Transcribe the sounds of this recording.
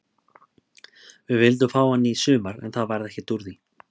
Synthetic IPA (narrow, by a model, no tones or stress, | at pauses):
vɪvɪlt̪̬ʏmfaːwanːisʏːmaɾɛ̰nθaðvajɾðɛhcɪt̪uɾði